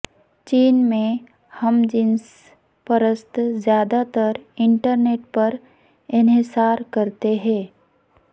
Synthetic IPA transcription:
t͡ʃiːnmẽ | həmd͡ʒɪns | pəɾəst̪zjaːd̪at̪əɾɪɳʈəɾneːʈpɐɾ | ɪnɦɪsaːɾkɐɾt̪eɦɛ̃ː

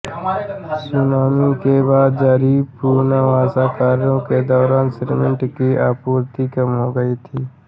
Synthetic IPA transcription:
sʊnaːmikeːbaːd̪̚d͡ʒaːɾiːpuːɾnaːʋaːsaːkaːɾjõːked̪ɔːɾaːnsɪʈmɪ̃ɳʈkiːʔaːpuːɾt̪iːkəmɦoːɡəiːt̪ʰiː

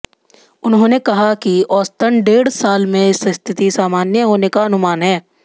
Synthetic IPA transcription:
ʊnɦõːnekɐɦakiɔːst̪ənɖeːɽsaːlmẽsə̃st̪ʰɪt̪isaːmaːnjəɦoːnekaɐnʊmaːnɦɛː

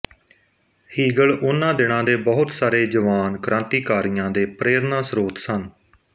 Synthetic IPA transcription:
hiːɡəɭʊnːãːd̪ɪɽ̃ãːd̪eːbəɦʊt̪saːɾeːd͡ʒəʋaːnkɾʔãːnt̪iːkaːɾijãːd̪eːpɾeːɾnãːsɾoːt̪sən

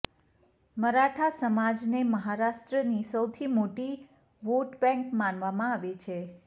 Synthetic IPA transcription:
məɾaʈʰasəmad͡ʒneməɦaɾaʃʈɾənisəwt̪ʰimoʈi | ʋoʈbɛ̃ŋkmanʋamãaʋet͡ʃʰe

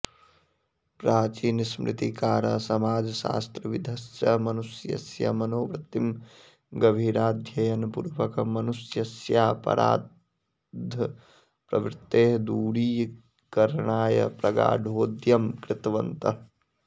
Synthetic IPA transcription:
pɾaːt͡ʃiːnismɾʔɪ̰t̪ikaːɾɐsɐmaːd͡ʒɐʃa̰ːst̪ɾɐʋid̪ʱɐsjɐmɐnusjɐ̰sjɐ̰mɐnoːʋɾɪt̪ːim | ɡɐbʱiːɾaːd̪ʱjɐjɐnpṵɾʋɐkɐmɐnusjɐsjaːpɐ̰ɾʔa̰ː | d̪ʱɐ | pɾɐ̰ʋɾɪt̪ːeːɦɐd̪uːɽiː | kɐɾɳaːjɐ̰pɾɐɡa̰ːɖʱoːd̪jɐmkɾɪt̪ʋɐnt̪ɐ

